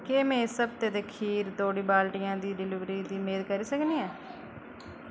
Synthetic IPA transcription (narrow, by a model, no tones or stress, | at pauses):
kemẽːsəb̚t̪eːd̪eːkʰiːɾt̪oːɽiːbaːlʈɪjãːd̪iːɖɪliʋɾiːd̪iːmeːd̪kəɾiːsəkniːɛː